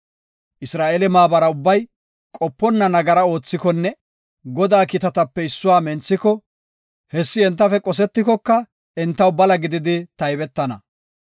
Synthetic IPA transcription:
ʔɪsɾaːʔelɛmaːbɐɾɐʊbːɐj | kʼɔpːɔnːɐnɐɡɐɾɐo̞ːt͡sːɪkɔnːɛ | ɡɔd̪aːkɪt̪ɐt̪ɐpːɛɪsːʊwaːmɛnt͡sːɪkɔ | hɛsːɪɛnt̪ːɐfɛkʼɔs̬ɛt̪ːɪkɔkːɐ | ɛnt̪ːɐwbɐlɐɡɪd̪ɪd̪ɪt̪ɐjbɛt̪ːɐnɐ̰

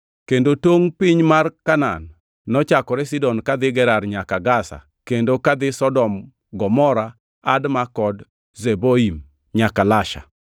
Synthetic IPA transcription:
kendotoŋpɪɲmarkana̰nː | ɔt͡ʃakɔɾɛsidɔnkad̪ɪɡɛɾarɲakaɡasa̰ | kendokad̪ɪsɔdɔm | ɡɔmɔɾa | admakɔd | zeboim | ɲakalaʃa̰

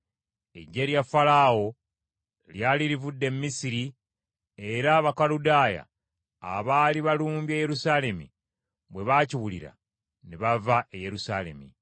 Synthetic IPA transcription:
e̞̰ɟːeljafalaːwo̞ | ljaːliɾivudːe̞mːisiɾi | e̞ɾaːβakaludaːja̰ː | βaːliβaluːmbjeːje̞ɾusaːle̞mḭ | βwe̞βaːciwulḭɾa̰ | neβavaʔeje̞ɾusaːle̞̰mi

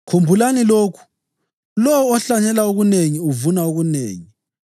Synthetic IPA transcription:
kʰumbʱulaniloːkʰu̥ | lɔwɔːɬaɲɛlauɣuneŋiuvunauɣunḛːŋi

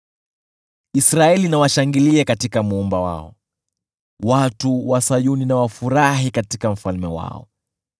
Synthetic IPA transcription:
isɾaɛlinawaʃaŋɡiliɛkatikamuumbawa̰ɔ̰ | watuwasajuninawafuɾaɦikatikam̩falmɛwa̰ɔ̰

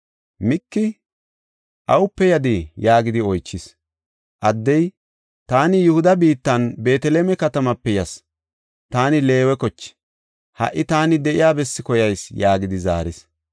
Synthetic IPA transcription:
mɪkːɪ | ʔɐwʊpːɛjɐd̪ɪjaːɡɪd̪ɪɔjt͡ʃːɪs | ʔɐd̪ːɛj | t̪aːnɪjʊhʊd̪ɐbiːt̪ːɐnbe̞ːt̪ɛleːmɛkɐt̪ɐmɐpːɛjɐs | t̪aːnɪle̞ːwɛkɔt͡ʃːɪ̥ | hɐ̰ʔɪt̪aːnɪd̪ɛʔɪjaːbɛsːɪkɔjɐjsjaːɡɪd̪ɪza̰ːɾɪs

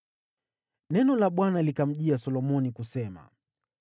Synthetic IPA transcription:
nɛnɔlaɓwanalikam̩ʄiasɔlɔmɔnikusɛma̰

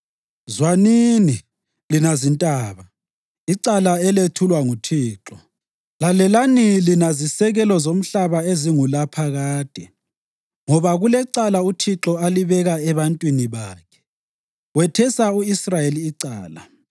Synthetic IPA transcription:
zwanini | linazintʼaːβa | iǀalaɛletʰulwaŋutʰiːǁɔ | lalɛlanilinazisɛɣɛlɔzom̩ɬaβaeziŋulapʰaɣaːd̥ʱʼɛ | ŋɔβaɣulɛǀalautʰiǁɔaliβɛɣaɛβantʼwiniβaːkʰɛ̥ | wɛtʰɛsauisrajeliːǀaːla̰

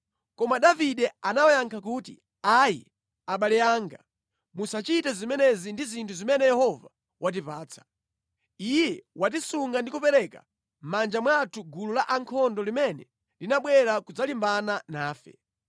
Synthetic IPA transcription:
kɔmaɗaviɗɛanawajaŋkʰak̬uːtḭ | ajḭ | aɓalɛaːŋɡa̰ | musat͡ʃitɛzimɛnɛzindizintʰuzimɛnɛjɛhɔva̰ | wʔat̬ipaːt͡sʰḁ | ijɛwʔat̬isuŋɡandikupɛɾɛka̰ | mand͡ʒamwatʰuɡululaʔaŋkʰɔndɔlimɛnɛ | linaɓwɛɾakud͡zalimbananaːfɛ̰

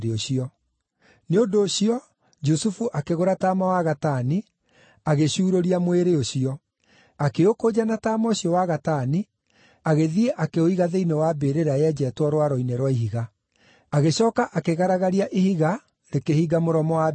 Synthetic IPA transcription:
ɾeoɕiɔ | neondoːɕiɔ | d͡ʒusufuʔakeɣoɾataːmawaɣatani | aɣeɕuːɾoɾiamweɾeoɕiɔ | akeokoːd͡ʑanataːmɔoɕiɔwaɣatani | aɣeðieʔakeoiɣaðeinewabeɾeɾaɛd͡ʑɛːtwɔɾwaɾɔineɾwaiɦiɣa | aɣeɕɔːkaʔakeɣaɾaɣaɾiaʔehiɣa | ɾekehiɡamoɾɔmɔwa

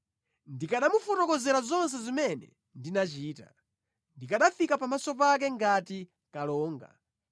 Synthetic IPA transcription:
ndikaɗamufɔtɔkɔzɛɾazɔns̬ɛzimɛnɛ̰ | ndinat͡ʃiːta̰ | ndikaɗafikapamasɔp̬ak̬ɛŋɡati | kalɔːŋɡa̰

